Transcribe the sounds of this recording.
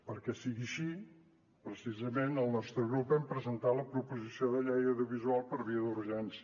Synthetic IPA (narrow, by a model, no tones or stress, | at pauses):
pəɾkɛsiɣiəʃi | pɾəsizəmenəlˠnɔst̪ɾəɣɾupɛmpɾəzənt̪aləpɾupuzisioðəʎɛjəwðiuβizualˠpəɾβiəðuɾʒɛnsiə